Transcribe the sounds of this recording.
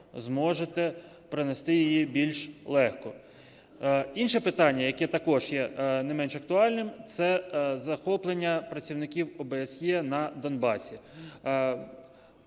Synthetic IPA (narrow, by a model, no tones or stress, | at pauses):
zmɔʒet̪ɛ | pɾɪnɛst̪ɪjɪjibʲilʲʃlˠɛxkɔ | inʃɛpɪt̪ɑnʲːɐjɐkɛt̪ɐkɔʒjɛnɐjmɛnʃɐk̚t̪ʊɑlʲnɪmt̪sɛzɐxɔplˠenʲːɐpɾɐt͡sʲiwnɪkʲiwɔbeːsjɛnɐd̪ɔnbɑsʲi